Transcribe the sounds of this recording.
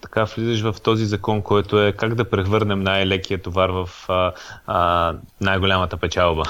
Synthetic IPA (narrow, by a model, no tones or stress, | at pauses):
t̪ɐ̥kavlizɛʃ̬vɐft̪ɔzizɐkɔnkɔjt̪oɛkaɡd̪ɐpɾɛxvɤɾnɛmnajlɛk̟ijət̪ovaɾvɐf | najɡolʲamət̪əpɛt͡ʃalˠbə